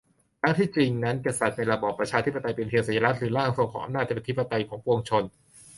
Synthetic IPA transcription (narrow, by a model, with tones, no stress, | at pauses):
kʰɾa˦˥ŋt̪ʰiː˥˩t͡ɕi˧ŋna˦˥nka˧sa˨˩t̪̚na˧jɾa˧bɔː˨˩pːɾa˧t͡ɕʰaː˧t̪ʰi˦˥pːa˧t̪a˧jpe˧nt̪ʰi˧ŋsa˨˩˦ja˧ɾa˦˥t̪̚ɾɯː˩˦laː˥˩ŋso˧kʰɔː˩˦ʔa̰˧mnaː˥˩t̪ːʰt̪ʰi˦˥pːa˧t̪a˧jkʰɔː˩˦ŋpo˧ŋt͡ɕʰo˧n